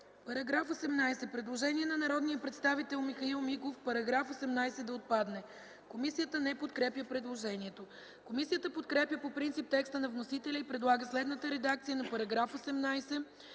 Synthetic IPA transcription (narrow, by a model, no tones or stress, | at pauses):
pɐɾɐɡɾafosɛmnajsɛpɾɛd̪lˠoʒɛniɛnɐnɐɾɔd̪niəpɾɛt̪st̪avit̪ɛlˠmixɐilˠmiɡofpɐɾɐɡɾafosɛmnajsɛd̪ɐot̪̚pad̪nɛ | komisijət̪ənɛpot̪kɾɛpjəpɾɛd̪lˠoʒɛniɛt̪o | komisijət̪əpot̪kɾɛpjəpopɾint̪sip̚t̪ɛkst̪ənɐvnosit̪ɛlʲəipɾɛd̪lˠaɡəslɛd̪nət̪əɾɛd̪ak̚t̪sijənɐpɐɾɐɡɾafosɛmnajsɛ